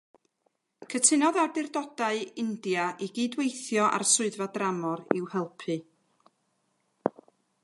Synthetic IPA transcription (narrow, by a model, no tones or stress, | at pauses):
kʰətʰɪnɔðardɪrdɔdaɨɪndjaʔiɡiːdwejθjɔʔa̰rsʊɨðvadramɔɾɪ̰whɛlˠpʰɨ